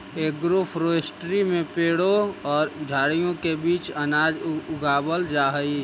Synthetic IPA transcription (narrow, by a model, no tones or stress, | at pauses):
eːkɡɾʊpʰɾoɪsʈɾimẽpeːɽoɔːɾd͡ʒʱaːɽijõkebiːt͡ʃɐnaːd͡ʒʊɡaːbəld͡ʒaːɦəi